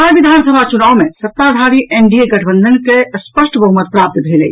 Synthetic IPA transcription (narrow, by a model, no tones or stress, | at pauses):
aʋid̪ʱaːnsəbʱat͡ʃunaːwmẽsət̪ːad̪ʱaɾiʔeɳɖieɡɐʈʰbə̃nd̪ʱənkespəʃʈʰbɐɦumət̪̚pɾaːp̚t̪b̪ʱelei